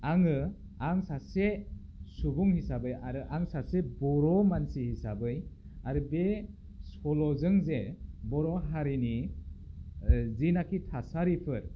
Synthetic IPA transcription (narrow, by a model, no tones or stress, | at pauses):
aŋɯ | aŋsase | subuŋhisabɯjaɾɯʔaŋsasebɔɾɔmansihisabɯj | aɾɯbe | sɔlɔzɯŋzebɔɾɔɦaɾini | zinakʰitʰasaɾipʰɯɾ